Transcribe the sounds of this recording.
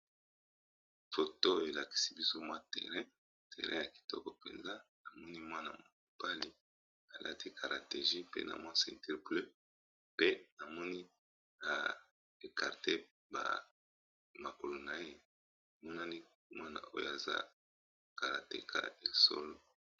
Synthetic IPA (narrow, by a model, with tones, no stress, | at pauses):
fo˨to˦e˨la˨ki̥˨si˦bi˦so˦mwa˦tɛ̰˨ʁɛ̃˦ | tɛ̰˨ʁɛ̃˦ja˨ki̥˨tɔ˦kɔ˨pḛ˨nza˦na˨mɔ˦ni˦mwa˦na̰˨mo˨ku˨pa˦li˦ | a˨lʔa̰˦ti˦kʰa˨ʁa˨te˨ʒi˦pḛ˦na̰˨mwa˦sɛ˨nti˦ʁple˦ | pe˦na˨mɔ˦ni˦ | ja˨ | e˨ka˨ʁte˦ | ba̰˨ | ma˨ko˨lo˨na˨je˦˨ | mɔ˦na˦ni˦ | mwa˦na̰˨o̰˦jo̰˦˨a˨za̰˦ | ka˨ʁa̰˨te˨kʰa̰˦e˨so̰˦lo˦